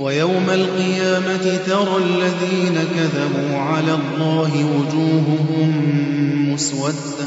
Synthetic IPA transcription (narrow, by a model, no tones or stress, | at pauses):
wajawmalqɨjaːmat̪ɪt̪ɑɾˤɑlːaðiːnakaðabuːʕalaːʔlˤːɑːɦɪwʊd͡ʒuːɦʊɦʊmː | ʊswat̪